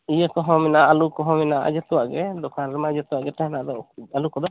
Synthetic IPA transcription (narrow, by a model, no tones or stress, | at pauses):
ijəkɔɦɔ̃mɛnaʔalukɔɦɔ̃mɛnaʔa̰d͡ʒɛt̪uwaʔɡɛd̪ɔkʰanɾɛmad͡ʒɛt̪uwaʔɡɛʈ̪aɦɛnaʔd̪ɔalukɔd̪ɔ